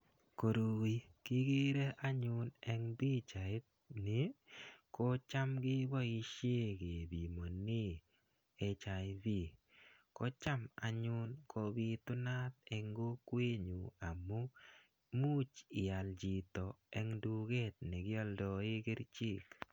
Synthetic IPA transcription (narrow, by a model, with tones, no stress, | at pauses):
ko˨ɾu˨i˦kɪ˦ɡɪ˦ɾe˦ʔa˦ɲʊ˦nɛ˦ŋbi˦t͡ʃa˨ɪ˦t̪̚ | nɪ˨ko˦t͡ʃa˦mɡɪ˦bɔ˦i˦˧ʃje˦ke˨bi˨mo˨ni˦ | e˨t͡ʃa˨ɪ˦bi˦˨ | kɔ˦t͡ʃa˦ma̰˨ɲʊ˦nkʰo˧bi˦t̪ʊ˦na˦t̪ɛ˨ŋɡo˦kwe˦ɲu˨a˨mo˦ | mu˦t͡ʃiɪ˨a˨ld͡ʒi˨tɔ˨ɛ˦ŋdu˦ɡe˦t̪̚ne˨ɡɪ˦ɔ˦ldɔ˨ɪ˦kɪ˦ɾt͡ʃi˦˨k